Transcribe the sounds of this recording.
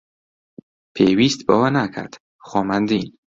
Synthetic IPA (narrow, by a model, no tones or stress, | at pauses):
pʰewiːst̪bɒwænakʰæ̰ɾd̪̥ | xɔːmænd̪in